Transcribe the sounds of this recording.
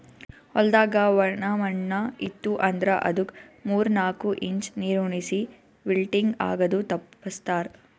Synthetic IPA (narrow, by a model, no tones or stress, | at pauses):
ɔld̪aːɡɐʋɐɳɐmɐɳːɐit̪ːuʔɐnd̪ɾɐʔɐ̰d̪ukmuːɾnaːkuʔiɲt͡ʃniːɾuːɳisi | ʋilʈiŋɡa̰ːɡɐd̪ut̪ɐpːɐst̪aːɾ